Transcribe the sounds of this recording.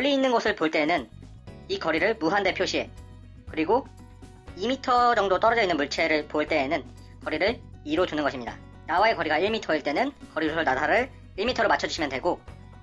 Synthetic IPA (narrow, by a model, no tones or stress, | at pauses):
kʌʎːiːnːɯnɡʌsʰɯɭpoɭt͈e̞nɯn | ikʌɾiɾɯɭmuɦande̞pʰjoɕʰie̞ | kɯɾiɡo | imitʰʌd͡ʑʌŋdot͈ʌɾʌd͡ʑʌinːɯnmuɭt͡ɕʰe̞ɾɯɭpoɭt͈e̞ːnɯn | kʌɾiɾɯɭiɾod͡ʑunɯnɡʌɕʰimɲida̰ | nawae̞kʌɾiɡaiɭmitʰʌiɭt͈e̞nɯnkʌɾiɾosʰʌɭnatʰaɾɯɭː | imitʰʌɾomat͡ɕʰʌd͡ʑuɕʰimjʌndwe̞ɡo